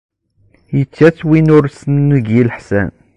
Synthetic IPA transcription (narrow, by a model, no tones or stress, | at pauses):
jət͡sːæt͡sːwinʊɾsənːəɡjilħsæ̰n